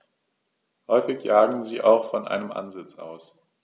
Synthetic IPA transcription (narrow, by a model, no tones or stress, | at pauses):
hɔʏfɪçjaːɡŋ̩ziːʔa̰ʊxfɔnʔa̰ɪnəmʔa̰nzɪt͡sa̰ʊs